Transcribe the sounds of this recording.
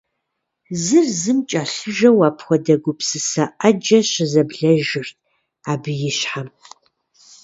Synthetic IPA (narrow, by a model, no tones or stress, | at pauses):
zɨrzɨmt͡ʃʼaɬɨʒɐwaːpʰxʷɔdɐɡʷʊpsɨsɐʔɐd͡ʒɐɕɪzɐbɮɐʒɪrt̚ʰ | aːbɨjɪɕħam